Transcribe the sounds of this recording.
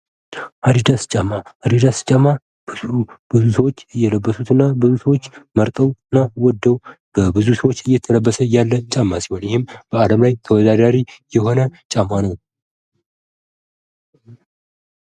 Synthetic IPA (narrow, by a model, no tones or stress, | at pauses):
haɾid̪ast͡ʃʼamːahad̪id̪ast͡ʃʼamːa | bɨubɨzusəwo̞t͡ʃːɨjːɛləbːəsut̪ʰɨnːabɨzusəwot͡ʃːməɾt̪ʼəwɨnːawɔd̪ːəwb̥əbɨzusəwot͡ʃːɨjːɛt̪ʰələbːəsəjalːət͡ʃʼamːasihonjɪhɨmb̥əaləmlajt̪ʰəwɔd̪ad̪aɾijɛho̞nət͡ʃʼamːanəw